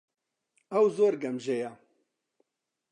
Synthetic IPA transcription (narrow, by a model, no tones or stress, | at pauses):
ɐwzoːɾɡɐmʒeja